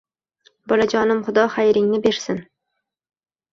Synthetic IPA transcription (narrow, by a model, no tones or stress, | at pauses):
bɒlad͡ʒɒnɪmχʊd̪ɒχajɾɪŋnɪbe̞ɾsɪn